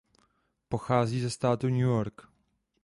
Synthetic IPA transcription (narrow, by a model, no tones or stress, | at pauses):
poxaːziːzɛst̪aːt̪uɲujoɾk